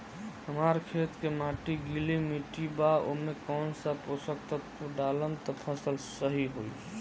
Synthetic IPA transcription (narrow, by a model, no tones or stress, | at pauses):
həmaɾkʰet̪kemaʈiɡilimiʈibao̰mekɔːnsaposək̚t̪ət̪̚koɖaləmt̪ɔpʰəsəlsəɦiɦoj